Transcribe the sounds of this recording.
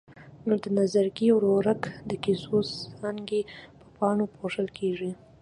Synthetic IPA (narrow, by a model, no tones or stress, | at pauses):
nod̪ənazaɾɡiwɾoɾakd̪əkisosɾɑŋɡepə̥pɑɳopoʐəlkʰeʐi